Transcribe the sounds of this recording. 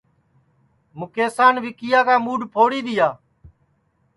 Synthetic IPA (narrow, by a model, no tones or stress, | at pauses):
mʊkeːsaːnʋɪkɪjaːkaːmuːɖpʰoːɽiːd̪ɪjaː